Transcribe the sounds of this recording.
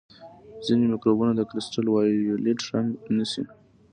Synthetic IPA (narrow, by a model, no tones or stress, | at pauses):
zinemɪkɾobunad̪əkɾɪsʈalwɑjileʈɾaŋɡnisi